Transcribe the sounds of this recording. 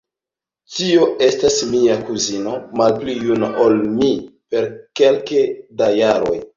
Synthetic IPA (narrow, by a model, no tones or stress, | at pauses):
tio̞e̞stasmiakuzino̞malplijunaʔolmipe̞ɾke̞lkedajaɾo̞̰j